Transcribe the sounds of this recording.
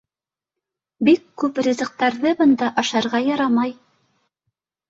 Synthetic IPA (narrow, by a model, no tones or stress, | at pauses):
bikːʉprʲizɤ̆q̚t̪ɑɾðɤbɤ̆nd̪ɑʔɑʃɑɾʁɑjɑɾɑmɑj